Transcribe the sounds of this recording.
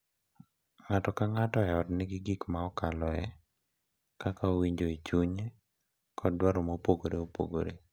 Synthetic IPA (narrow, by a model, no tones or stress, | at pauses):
ŋatɔkaŋatɔɛɔtnɪɡɪɡikmaɔkalɔɛ | kakaowiɲd͡ʒoit͡ʃuɲe | kʰɔdwaɾɔmopoɡoɾeopo̰ɡo̰ɾḛ